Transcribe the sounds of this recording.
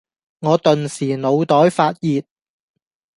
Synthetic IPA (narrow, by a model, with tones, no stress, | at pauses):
ŋɔː˨˧t̪ɵ˨nsiː˨˩no˨˧wt̪ɔː˨˥jfaː˧t̚jiː˨t̚